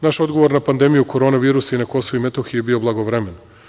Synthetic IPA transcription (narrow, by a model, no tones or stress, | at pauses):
naʃo̞d̪ɡoʋo̞ɾnapand̪e̞mijuko̞ɾo̞ːnaʋiːɾusainako̞souimet̪oxijebiːo̞blˠaɡoʋɾeme̞n